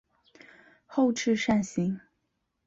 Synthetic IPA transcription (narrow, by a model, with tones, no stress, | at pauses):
xo˥˧ʊʈ͡ʂʰɻ̩˥˧ʂa˥˩nɕi˧˥ŋ